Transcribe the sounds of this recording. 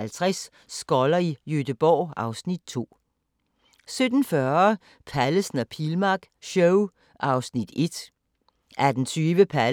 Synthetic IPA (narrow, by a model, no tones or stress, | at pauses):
ælt͡sʰʁɛs | sɡ̥ɒlɐijød̥əb̥ɒ̰ːɑ̈ʊsnid̥̚t͡sʰo̝̰ː | sød̥n̩fɶɐ | pʰæləsn̩æpʰilmɑ̈ɡ̥ | ɕɔʊ | ʔɑ̈ʊsnid̥e̝d̥ | æɐd̥ent͡sʰyːʋəpʰæ